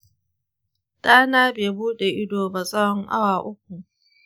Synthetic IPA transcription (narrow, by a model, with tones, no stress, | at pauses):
tʼaː˦naː˦beː˨buː˦ɗe˨ʔɪ˦doː˨ba˨sʼɔ˦ɔ˦ŋʔa̰˦waː˨ʔʊ˦k̚ʷu˨